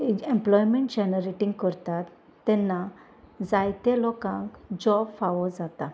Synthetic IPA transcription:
ẽmplɔjmeɳʈd͡ʑɛnəɾeʈĩŋɡkəɾt̪at̪ː | ɛ̃nːa | d͡zajt̪elɔkã̰ŋkd͡ʑɔbfaʋɔd͡zat̪a

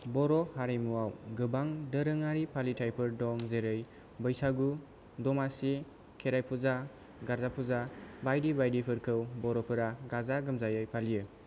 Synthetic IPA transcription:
bɔɾɔhaɾijmuawɡɯbaŋdəɾɯŋaɾipʰalitʰajpʰɯɾdɔŋzeɾɯj | bəjsaɡu | dɔmasi | kʰeɾajpʰuza | ɡaɾzapʰuzabajdibajdipʰɯɾkʰɯwbɔɾɔpʰɯɾaɡazaɡɯmzajɯjpʰalijɯ

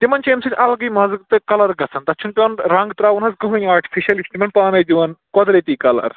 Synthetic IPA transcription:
t̪imɐnʲt͡ʃeːmsɨtʲʰɐlɡijmɐzɨkt̪ɨkɐlɐɾɡɐt͡sʰɐnt̪ɐt͡ʃʰunpʲjonɾɐŋɡt̪ɾaːʋunɐsɡɐɦɐjaːɾʈʰi̥fʰiʃɐlisʲt̪imɐnpaːnɐjd̪iʋɐnkɔd̪ɾet̪iːkɐlɐ̰ɾ

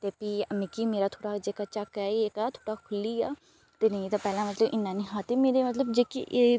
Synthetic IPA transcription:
t̪eːpiːəmĩːkimeːɾaːt̪ʰoːɽaːd͡ʒeːkaːt͡ʃəkɛːeekaːt̪ʰoːɽaːkʰʊlːiːaː | t̪eːnə̃ĩt̪ãːpɛːlãːmət̪ləbʔɪnːãːnĩːɦaːt̪eːmeːɾeːmət̪̬ləbd͡ʒeːkḭʔe

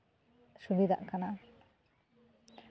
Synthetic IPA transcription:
subid̪ʱa̰ʔkana

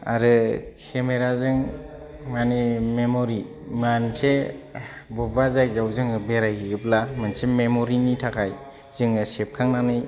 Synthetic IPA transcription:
a̰ɾɯkʰemeɾazɯŋ | manimemoɾi | manse | bɔbazajɡawzɯŋɯbeɾajiɡɯplamansememoɾinitʰakʰaj | zɯŋɯsep̚kʰaŋnanɯj

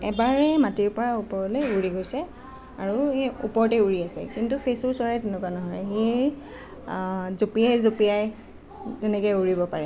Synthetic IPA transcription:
ɛbaɹɛmatiɹpɔɹaupɔɹɔlɛuɹiɡojsɛ | aɹuṵpɔɹtɛuɹiasɛ̰kintupʰesʊɹsaɹɛtɛnukuanɔɦɔjɦe | zopiajzopijaj | zɛnɛkɔjuɹibɔpaɹɛ

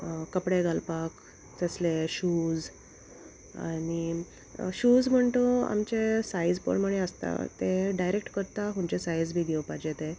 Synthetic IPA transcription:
kəpɽeɡalpak | t͡səsleɕud͡z | a̰ɽi | ɕud͡zm̤əɳt̪oa̰mt͡ɕesaid͡zpə̰ɳm̤əɽẽəst̪a̰t̪eɖajɾek̚ʈkəɾt̪aɦũmt͡ɕesajd͡zbʱiːɡʱeʋpad͡ʑet̪e

